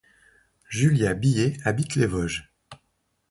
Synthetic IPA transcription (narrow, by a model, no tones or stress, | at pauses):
ʒyljabijeabit̪levɔʒ